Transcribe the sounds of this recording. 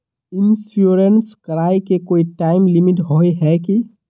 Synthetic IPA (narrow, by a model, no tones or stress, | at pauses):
ɪnsjuɾenskɐɾaekekoːiʈaɪmlimɪʈɦoːjɦɛki